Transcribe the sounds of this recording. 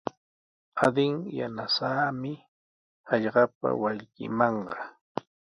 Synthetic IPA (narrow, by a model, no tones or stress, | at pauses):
ad̪ɪŋja̰nasaːmɪ | ɑʎɢɑp̚a̰waʎkɪ̰mɑɴɢɑ